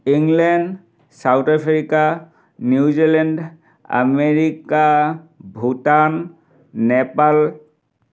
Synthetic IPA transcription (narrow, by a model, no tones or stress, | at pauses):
iŋlɛnd | sawtapʰɹika | njuzilɛnd | a̰meɹikabʱutanː | ɛpal